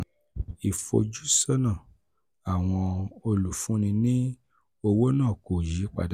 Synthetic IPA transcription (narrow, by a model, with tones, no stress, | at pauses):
i˨fo̰˧d͡ʒu˦sɔ˦nã˦˨ | a˨w̃ɔ̃˧o˧lu˨fũ˨˦nĩ˧nĩ˦ | o˧wo˦nãː˦˨ko˨ji˨˦k͡pa̰˧˨d